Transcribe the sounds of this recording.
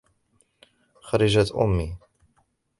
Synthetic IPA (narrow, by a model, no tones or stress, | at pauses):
xaɾˤɑʒat̪ʔʊ̰mːi